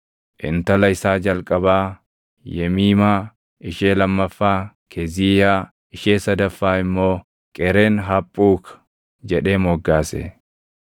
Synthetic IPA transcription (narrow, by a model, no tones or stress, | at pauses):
ʔɪ̰nt̪ɐlɐɪsaːd͡ʒɐlkʼɐbaː | jɛmiːmaː | ɪʃeːlɐmːɐfːaː | kʰɛziːjaː | ɪʃeːsɐd̪ɐfːaːɪmːo̞ː | kʼɛɾe̞ːnɦɐpʼːuːk | d͡ʒɛᶑe̞ːmɔɡːaːsɛ̰